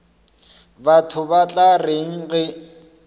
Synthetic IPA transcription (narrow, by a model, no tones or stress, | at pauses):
batʰʊbat͡ɬʼareŋ̩ɣɛ